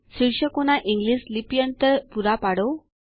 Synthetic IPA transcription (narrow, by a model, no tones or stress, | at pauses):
siɾɕəkoñaʔiŋɡlislipijənt̪əɾpuɾapaɽo